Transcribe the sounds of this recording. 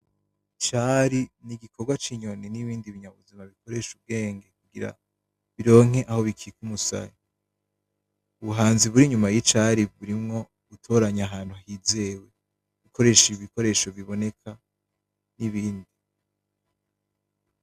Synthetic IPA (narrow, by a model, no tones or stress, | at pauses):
t͡ʃaɾiniɡikʰo̞ɡwat͡ʃiɲo̞niniβiːndiβiɲaβṵzimaβiko̞ɾe̞ʃub̚ɡe̞ːŋɡe̞k̚uɡiɾa̰ | βiɾo̞ːŋ̥e̞ʔaho̞βikʰikumusa̰ji | uβuɦaːnziβuɾiɲumajit͡ʃaɾiβuɾimŋo̞ | ɡutʰo̞ɾaɲaɦaːn̥uahize̞we̞ | βikʰo̞ɾe̞ːʃiiβiko̞ɾe̞ːʃo̞βiβo̞ne̞kʰa | niβiːndi